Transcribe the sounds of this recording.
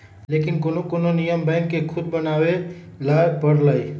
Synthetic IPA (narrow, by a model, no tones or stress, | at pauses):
lekinkonokononijəmbɛ̃ŋkːekʰud̪̚bənawe | laɾpəɽləj